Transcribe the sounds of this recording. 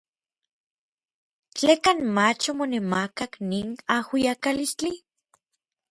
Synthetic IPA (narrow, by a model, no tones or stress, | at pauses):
t͡ɬeːkanmat͡ʃomonemakakninahwiakalist͡ɬi